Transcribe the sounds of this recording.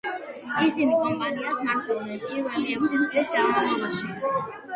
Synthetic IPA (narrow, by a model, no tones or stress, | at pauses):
isinikʼɔmpʼaniasmaɾt̪ʰʼulnɛpʼiɾvɛliɛkʰsit̪sʼlɛsɡamaɛbaʃi